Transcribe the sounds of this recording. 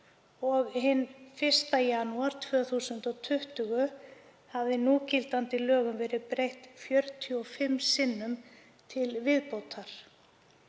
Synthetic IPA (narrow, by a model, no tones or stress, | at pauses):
ɔɣhɪnːfɪr̥st̪ajanuaɾ̥t̪ʰvœːθuːsʏnt̪ɔɣt̪ʰʏht̪ʏɣʏ | havðɪnuːcɪlt̪ant̪ɪlœːɣʏmvɛːɾɪðpɾejht̪fjœɾt̪ʰjʏɔfɪmːsɪnːʏm | t̪ʰɪlvɪðpowt̪ʰaɾ̥